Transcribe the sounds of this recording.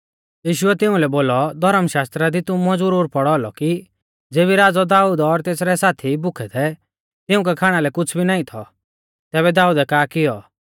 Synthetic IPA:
jiːʃʊɛt̪ɪ̃ʊ̃lɛboːlɔd̪ʱɔɾəmʃaːst̪ɾad̪it̪ʊ̃mɔ̃d͡zuɾoːɾpɔɽɔɔlɔ̰ki | d͡zeːβiɾaːd͡zɔd̪aːud̪ɔɾt̪eːsɾɛsaːt̪ʰibʊkʰɛt̪ʰɛ | t̪ɪʊ̃k̬ɛkʰaːɽ̃alɛkʊt͡sʰbʱinaːĩt̪ʰɔ | t̪ɛːβɛd̪aːud̪ɛkaːkɪjɔ

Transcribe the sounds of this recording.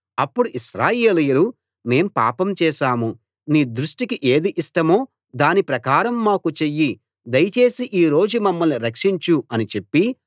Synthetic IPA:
ɐpːuɽuʔiʃɾaːje̞ːlijɐlu | me̞ːmpa̰ːpɐmt͡ʃɛːʃaːmu | niːd̪ɾuʂʈikiʔeːd̪iʔiʂʈɐmoː | d̪aːnipɾɐkaːɾɐmːaːkut͡ʃe̞jːi | d̪ɐjɐt͡ʃe̞ːsiʔiːɾo̞ːd͡ʒumɐmːɐlniɾɐkʂiɲt͡ʃuɐnit͡ʃe̞pːi

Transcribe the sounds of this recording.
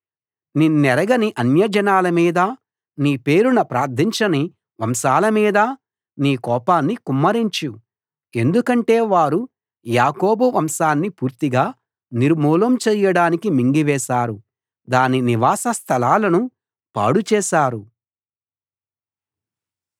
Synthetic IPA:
ninːɛɾɐɡɐniʔɐnjɐd͡ʒɐnaːlɐmiːd̪ɐ | niːpe̞ːɾunɐpɾaːɾd̪ʰʱiɲt͡ʃɐni | ʋɐmʃaːlɐmiːd̪ɐ | niːkɔːpaːnːikumːɐɾiɲt͡ʃu | e̞nd̪ukɐɳʈe̞ːʋaːɾu | jaːko̞ːbuʋɐmʃaːnːipuːɾt̪iɡaː | niɾmuːlɐmt͡ʃɛːjɐɽaːnikimiŋɡiʋɛːʃaːɾu | d̪aːniniʋaːsɐst̪ʰɐlaːlɐnu | pa̰ːɽut͡ʃɛːʃaːɾu

